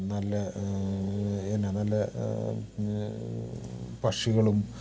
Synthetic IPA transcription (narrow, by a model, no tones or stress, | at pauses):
nɐlːɐ | enːenɐlːɐ | pɐʂiɣɐɭum